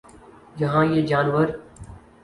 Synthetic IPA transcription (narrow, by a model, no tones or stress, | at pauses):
jəɦãːjeːd͡ʒaːnʋəɾ